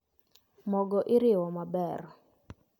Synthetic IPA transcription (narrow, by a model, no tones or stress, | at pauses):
mɔɡɔʔɪɾɪwɔmabɛr